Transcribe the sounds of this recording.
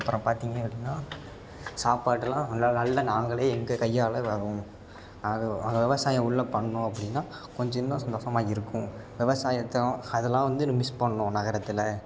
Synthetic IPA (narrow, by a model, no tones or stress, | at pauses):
ɐpːɾɐ̃ːpaːɾt̪iːŋɡɐɐpːɐɽɪnːaː | saːpaːʈːɯlãːɐnɐɭːɐnaːŋɡɐɭeːɛŋɡɐkɐjːaːlɐʋɐɾʊ̃ | aɐŋɡɐʋɪʋɐsaːjɐ̃ʊɭːɐpːɐɳːʊ̃ɐpːɐɽɪnːaːkɔɲd͡ʒɐɪnːɐ̃sɐnd̪oːʂɐmaːɪɾɯkːʊ̃ʋɪʋɐsaːjɐt̪ːɐ̃ɐðɐlːãːʋɐnd̪ɯnmɪspɐɳːɐːʊ̃nɐɣɐɾɐt̪ːɪlɐ